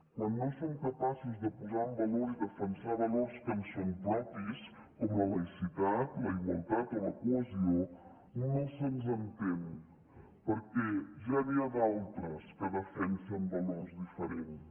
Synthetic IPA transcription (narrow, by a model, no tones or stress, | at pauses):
kwanːõsomkəpasuzðəpuzambəloɾzd̪əfənsaβəloɾskənsompɔpis | kɔmlələjsit̪at̪ləiβəlˠt̪at̪iləkuəzio | nosenzənt̪em | pəɾkɛʒaβiad̪alˠt̪ɾəskəðəfɛnsəmbəloɾzðifəɾen